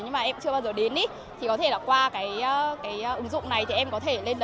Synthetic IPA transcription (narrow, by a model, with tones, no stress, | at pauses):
ɲɨ˧ŋmaː˨˩ʔɛ˧mt͡ɕɨ˧əɓaː˧zəː˨˩ɗe˨˦nɗi˨˦ | t̪ʰi˨˩kɔ˨˦t̪ʰe˧˩laː˨˩kwaː˧kaː˨˦jə˨˧kaː˨˦jːʔɨ˨˦ŋzʊ̰˧˨ŋ͡mna˨˩jt̪ʰi˨˩ʔɛ˧mkɔ˨˦t̪ʰe˧˩le˧nlə˨